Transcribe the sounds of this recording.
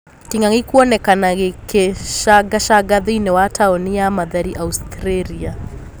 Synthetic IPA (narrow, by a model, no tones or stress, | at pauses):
tiŋɡaŋikuɔnɛkanaɣekeʃaɡaʃaɡaðinɛwatʰaɔnijamaðaɾiʔaustɾɛɾia